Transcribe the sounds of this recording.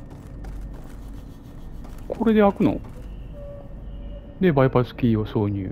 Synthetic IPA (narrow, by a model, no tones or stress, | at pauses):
kʰo̞ɾe̞d̪e̞akɯ̟no̞̰ | d̪e̞baipasɨ̥kʲiːoso̞ːɲɯ̰ː